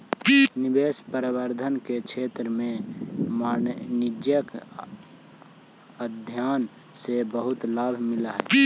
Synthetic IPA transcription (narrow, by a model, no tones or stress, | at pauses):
nɪbeːspəɾəwəɾd̪ʱənkekt͡ʃʰeːt̪ɾəmẽmaːnnɪd͡ʒjək | əd̪ʱjaːn | sebəɦʊt̪laːbʱmɪlaɦɛ̰ː